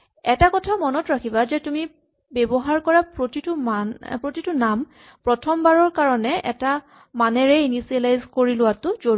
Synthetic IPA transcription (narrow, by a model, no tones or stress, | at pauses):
ɛtakɔtʰamɔnɔtɹakʰibazɛtumi | bɛbɔɦaɹkɔɹapɹotitʊmapɹotitʊnam | pɹɔtʰɔmbaɹɔɹkaɹɔnɛʔɛ̰ta | manɛɹɛinisialajzkoɹilʊwatʊzoɹ